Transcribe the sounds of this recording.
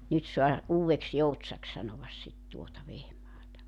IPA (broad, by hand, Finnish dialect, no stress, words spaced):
nyt soɑ uːwʋeksj̊outsɑks sɑnoʋɑs sit tuotɑ ʋehmɑːtɑ